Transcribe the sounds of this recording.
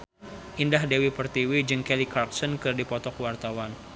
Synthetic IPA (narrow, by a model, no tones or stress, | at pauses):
ʔindahdewipərt̪iwid͡ʒɨŋkɛlikarksɔnkɨrdipɔt̪ɔkwart̪awan